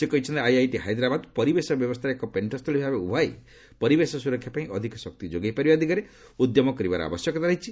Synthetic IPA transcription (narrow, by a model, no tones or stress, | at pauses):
sekɔɦit͡ʃʰɔnt̪eajajʈiɦajd̪ɾabad̪pɔɾibesɔbjɔbɔst̪ʰɾekɔpeɳʈɔst̪ʰɔlibiabeubʱaj | pɔɾibesɔsuɾɔkʰːjapaĩʔɔd̪ʱikɔsɔk̚t̪id͡ʒoɡajpaɾibɔd̪ʱikaɾe | ud̪jɔmɔkɔɾibaɾɔ̰a̰bɔsjɔkɔt̪ʰaɾaɦit͡ʃʰi